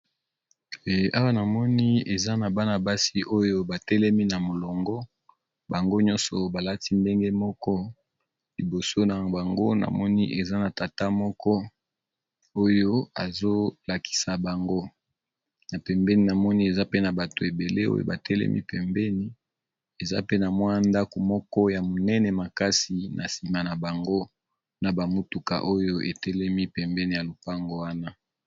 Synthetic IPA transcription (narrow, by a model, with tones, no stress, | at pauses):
a˦wa˦na˨mɔ˦ni˦e˨za˦na˨ba˦na˨ba˦si˦ʔo˦jo˦ba˨tɛ˦lɛ˦mi˦na˨mo˨lɔ˨ŋɡɔ˦ | ba˨ŋɡo˦ɲɔ˦nsɔ˨ba˨la˦ti˦nde˦ŋɡe˦mɔ˦kɔ˦ | li˨bo˨so˦na˨ba˨ŋɡo˦na̰˨mɔ˦ni˦ʔe˨za˦na˨ta˨ta˦mɔ˦kɔ˦ | o˦jo˦a˨zo˦la˨ki̥˨sa˨ba˨ŋɡo˦ | na˨pɛ˨mbɛ˦ni˨na˨mɔ˦ni˦e˨za˦pe˦na˨ba˨to˨e˨be˨le˦o̰˦jo̰˦˨ba˨tʰɛ˦lɛ̰˦mʔḭ˦pɛ˨mbɛ˦ni˨ | e˨za̰˦pe˦na˨mwa˦na˦nda˦ko˨mɔ˦kɔ˦ja˨mo˨nɛ˦nɛ˨ma˨ka˦si˨nʔa˨si˨ma˨na˨ba˨ŋɡo˦ | na˨ba˨mu˦tu˨ka̰˨ʔo˦jo˦ʔe˨tɛ˦lɛ˦mi˦pɛ˨mbɛ˦ni˨ja˨lo˨pa˦ŋɡo˦wa˦na˦